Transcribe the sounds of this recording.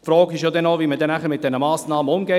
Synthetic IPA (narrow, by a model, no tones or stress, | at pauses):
fɾɔːɡɪʃjodɛnaʊviːmədɛnæχəmɪt̚dɛnəmaːsnɑːmənʊmɡɛ